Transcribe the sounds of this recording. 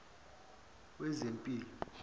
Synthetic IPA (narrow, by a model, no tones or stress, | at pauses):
wɛzempʼiːlɔ